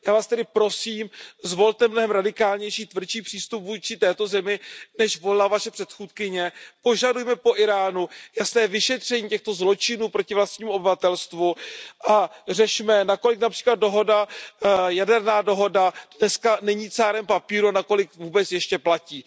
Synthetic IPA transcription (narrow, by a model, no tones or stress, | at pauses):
jaːvaːst̪ɛdɪpɾo̞siːmzvo̞lt̪ɛmːnoɦɛmɾadɪkaːlɲɛjʃiːt̪vr̩t͡ʃiːpr̥iːst̪upvuːt͡ʃɪt̪ɛːt̪o̞zɛmɪnɛʃvo̞lɛlavaʃɛpr̥ɛt̪xuːt̪kɪɲɛpo̞ʒadujmɛpo̞ʔɪɾaːnujasnɛːɛvɪʃɛt̪r̝̥ɛɲiːcɛxt̪o̞zlo̞t͡ʃɪnuːpɾo̞cɪvlast̪̚ɲiːmuobɪvat̪ɛlst̪vuʔar̝ɛʃmɛnako̞lɪknapr̥iːklad̪̚do̞ɦo̞da | jadɛɾnaːdo̞ɦo̞dadnɛskanɛɲiːt͡saːɾɛmpapiːɾunako̞lɪkvuːbɛt͡sjɛʃcɛplaciː